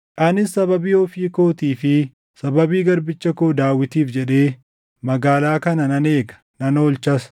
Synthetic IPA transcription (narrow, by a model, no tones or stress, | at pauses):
ʔaːnɪsːɐβɐbiːɔfiːkoːt̪iːfɪ | sɐbɐbiːɡɐɾbɪt͡ʃːɐkoːd̪aːwːɪt̪iːfd͡ʒɛᶑe̞ː | mɐɡaːlaːkɐnɐnɐne̞ːɡɐ̥ | nɐnoːlt͡ʃɐs